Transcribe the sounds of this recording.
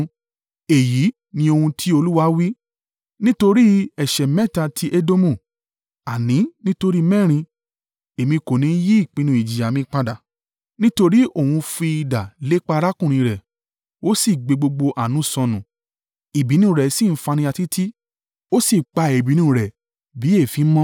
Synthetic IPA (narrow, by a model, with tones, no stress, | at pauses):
e˨ji˨˦ | nĩ˧o˧hũ˧tʰi˦o˧lu˦wa˧˦wi˦ | nĩ˦to˧ɾi˦ɛ˨ʃɛ˨mɛ̃˦˨ta˧tʰi˦ʔe˦do˦mũ˦˨ | a˨nĩ˨˦nĩ˦to˧ɾi˦mɛ̃˦˨ɾ̃ĩ˧ | e˨mĩ˧ko˨nĩ˨˦ji˦i˦˨k͡pĩ˧nũ˧i˨d͡ʒi˨a˨mĩ˧k͡pa˧da˨ | nĩ˦to˧ɾi˦o˦˨hũ˧fi˧i˧da˨le˨˦k͡pa˧˦˧ɾa˦kũ˦˨ĩ˧ɾɛ˨ | o˦si˦˨ɡ͡be˧ɡ͡bo˧ɡ͡bo˧ʔa˨nũ˨˦˨sɔ̃˨˧nũ˨ | i˨bi˨˦nũ˦˨ɾɛ˨si˦˨n̩˦fa˧nĩ˧a˧ti˦tʰi˦ | o˦si˦˨k͡pa˧e˨bi˨˦nũ˦˧˨ɾɛ˨ | bi˨˦e˦˨fi˨˦mɔ̃˦